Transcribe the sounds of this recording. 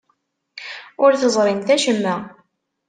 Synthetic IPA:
ʊɾθəzˤɾˤint̪æʃəmːæ

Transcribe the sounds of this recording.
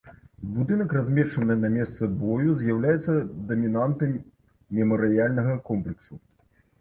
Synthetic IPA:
bud̪ɨnɐkrazʲmʲɛʂt͡ʂɐnɨnamʲɛst̪sɐbɔjuzʲjawlʲajɛt̪sɐd̪ɐmʲinant̪ɐmːʲ | ɛmɐɾɨjalʲnɐɣɐkɔmplʲɛksu

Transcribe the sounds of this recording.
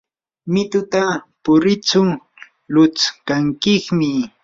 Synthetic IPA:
mɪt̪ʊt̪a | pʊɾɪt͡sʊ | lʊt͡skaŋkɪχmɪ

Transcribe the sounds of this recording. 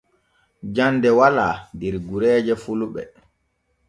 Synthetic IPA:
d͡ʒandɛwalaːndɛɾɡuɾɛːd͡ʒɛfuluɓɛ̰

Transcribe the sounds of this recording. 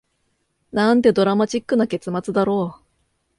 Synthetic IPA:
nãnt̪e̞d̪o̞ɾamat͡ɕikːɯ̟nake̞t͡sɨmat͡sɨd̪aɾo̞ː

